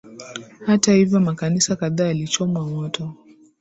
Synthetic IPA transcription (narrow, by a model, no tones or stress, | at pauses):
hatahivjɔmakanisakaðaːjalit͡ʃɔmwamɔtɔ